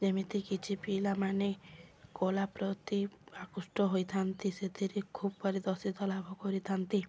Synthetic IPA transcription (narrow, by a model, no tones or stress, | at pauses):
d͡ʒemit̪ikit͡ʃʰipilamanekolapɾɔt̪iakusʈɔɦojt̪ʰant̪iset̪ʰiɾekʰubpɔɾid̪ɔɾsit̪ɔlabʱɔkɔɾit̪ʰant̪i